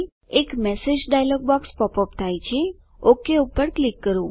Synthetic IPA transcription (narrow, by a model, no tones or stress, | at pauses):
ekmɛsed͡ʒɖajlɔɡ̚bɔkspɔpɔpt̪ʰajt͡ʃʰe | okeupəɾklikːəɾũ